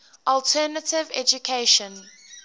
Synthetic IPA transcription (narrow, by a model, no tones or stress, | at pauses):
ʔɔlˠtʰɛːnətɪvɛ̰d͡ʒukʰeʃə̃n